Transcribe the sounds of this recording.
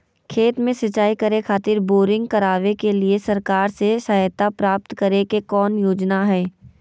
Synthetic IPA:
kʰeːt̪mẽsɐt͡ʃːaːikɐɾekʰaːt̪ɪɾboːɾɪ̃ŋɡkɐɾaːʋekeliesɐɾkaːɾseʃəɦt̪apɾaːp̚t̪kɐɾekekɔːnjoːd͡ʒnaɦɛː

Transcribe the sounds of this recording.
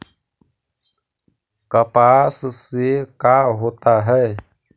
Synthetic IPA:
kəpassekaɦot̪aɦɛj

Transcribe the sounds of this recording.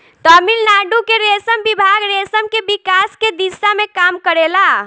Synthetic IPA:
t̪ɔmilnaɖukeɾesəmbibʱaɡɾesəmkebikasked̪isamekamkəɾela

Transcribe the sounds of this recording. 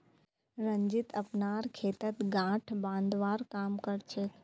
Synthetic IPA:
ɾɐ̃ɲd͡ʒɪt̪ɐpnaːɾkʰeːt̪ət̪ɡãːʈʰbãːnd̪ʋaːɾkaːmkɐɾt͡ʃʰeːk

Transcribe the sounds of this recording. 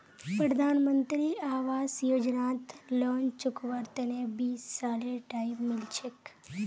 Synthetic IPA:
pɾəd̪ʱaːnmənt̪ɾiaːʋaːsjoːd͡ʒnaːt̪loːnt͡ʃʊkʋəɾt̪ənebiːsːaːleʈaːibmɪlt͡ʃʰek

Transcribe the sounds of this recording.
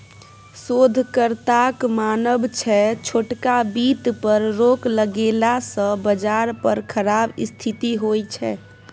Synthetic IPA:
sod̪ʱkəɾt̪akmaːnəbt͡ʃʰɛt͡ʃʰoːʈkabit̪pəɾɾokləɡelasə̃bəd͡ʒaɾpəɾkʰəɾaːbɪst̪ʰit̪iɦojt͡ʃʰɛ̰

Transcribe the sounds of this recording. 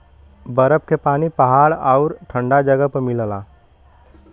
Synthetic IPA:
bəɾəpkepaːnipəɦaːɽaʊɾʈʰəɳɖad͡ʒəɡəpmɪlla̰ː

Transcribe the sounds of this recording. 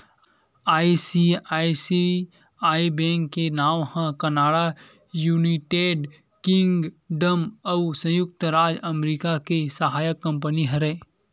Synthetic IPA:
aːisiaːisi | aːibɛ̃ːŋkːenaːwhãkənaːɽa | juːniʈeːɖ | kɪ̃ŋɡ | ɖəmɐusə̃jʊk̚t̪ɾaːd͡ʒəmɾiːkakesəɦaːjəkːə̃mpəniɦɐɾeː

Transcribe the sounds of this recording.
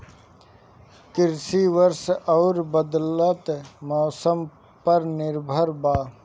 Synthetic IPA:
kɪɾsiʋəɾsɔːɾbəd̪lət̪mɔːsəm | pɐɾnɪɾbʱəɾbaː

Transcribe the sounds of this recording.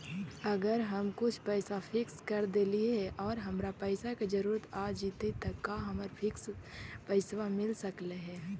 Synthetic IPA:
ɐɡəɾɦəmkʊt͡ʃʰpɛɪsapʰɪkskɐɾd̪eːlieɦɛʔɔːɾɦɐmɾapɛɪsaked͡ʒəɾuːɾət̪aːd͡ʒiːt̪et̪əkːaɦɐməɾpʰɪkspɛɪswamɪlsəkleɦɛː

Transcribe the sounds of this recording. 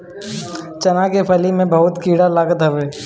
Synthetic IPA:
t͡ʃɐnakepʰɐlimẽbɐɦʊt̪kiːɽalaːɡət̪ɦɐʋeː

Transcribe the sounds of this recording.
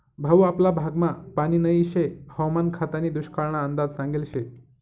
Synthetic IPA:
bʱəʋaplabʱaɡmapaɽ̃iːnəiɕehəwmankʰat̪aniːd̪uɕkaɭɳ̃aənd̪ad͡zsãŋɡilɕe

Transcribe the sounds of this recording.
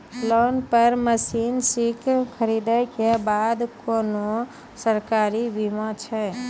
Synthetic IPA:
lonpəɾməsinsikʰkʰəɾid̪əjkebad̪kono | səɾkaɾibʱimãt͡ʃʰɛ

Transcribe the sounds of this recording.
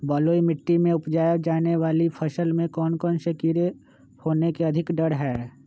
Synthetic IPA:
bɔːloːimɪʈːimẽʊpd͡ʒaːjəd͡ʒaːneʋaːlipʰɐʃəlmẽkɔːnkɔːnʃɐkiːɾe | hoːnekeɐd̪ʱɪkɖəɽɦɛː

